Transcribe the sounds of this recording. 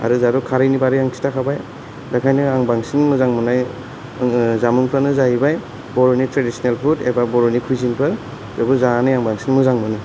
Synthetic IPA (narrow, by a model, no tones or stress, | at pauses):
a̰ɾɯzaɾukʰaɾajnibaɾɯjaŋkʰi̥takʰabaj | dakʰajnɯaŋbaŋsiŋmɯzaŋmɯnaj | zamuŋpʰanɯzaibaj | bɔɾɔnitɾedisɔnelpʰutḛbabɔɾɔnikʰujzinpʰɯɾ | zɔɡuzanɯjaŋbaŋsinmɯzaŋmɯnɯ